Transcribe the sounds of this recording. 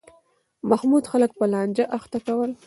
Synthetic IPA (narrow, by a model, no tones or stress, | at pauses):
mahmud̪xalək̚pəlɑnd͡ʒaʔaxt̪akawəl